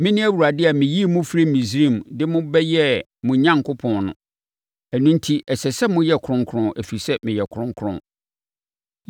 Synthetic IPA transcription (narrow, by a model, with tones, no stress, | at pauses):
mɪ̃˦nɪ̃˦æ˦wu˨ɾa˨dɪ˦a˨mɪ̃˨ji˦˨mʊ̃˦fɾi˦mĩ˨sɾĩ˦˨mdɪ˦mʊ̃˦bɛ˦jɛ˦ | mʊ̃˨ɲã˦ŋkʰʊ˦pʰɔ̃˨nnʊ̰̃˨ | æ˨nũ˦n̩˦tʰi˦ʔɛ˨sɛ˨sɛ˦mʊ̃˦jɛ˦˨kʰɾʊ̃˦ŋkʰɾʊ̃˦ʔæ˨fi˨sɛ˦mɪ̃˨jɛ˨kʰʊ̃˦ŋ˦kʰɾʊ̰̃˨